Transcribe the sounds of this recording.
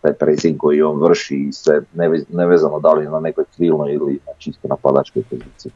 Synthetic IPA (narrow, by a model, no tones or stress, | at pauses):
t̪aːjpɾejsiŋɡko̞jio̞ːnʋr̩ʃisʋeneneʋeːzanod̪alijɛnanekojkɾiːlˠnojilinat͡ʃist̪onapad̪a̰t͡ʃko̞jpoziːt̪siji